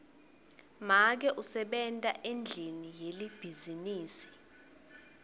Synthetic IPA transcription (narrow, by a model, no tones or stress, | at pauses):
mak̬ɛʔusɛɓɛntʼaʔend͡ɮʱinijelib̥ʱiziniːsi̥